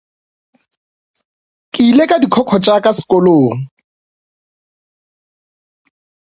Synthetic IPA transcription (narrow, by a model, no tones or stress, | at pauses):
kʼilekʼadikʰɔkʰɔt͡ʃʼakʼasɪ̥kʼɔloːŋ̩